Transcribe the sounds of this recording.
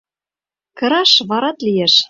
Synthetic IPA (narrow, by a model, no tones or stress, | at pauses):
kɤ̆ɾɑʃβɑɾɑt̪lijeʃ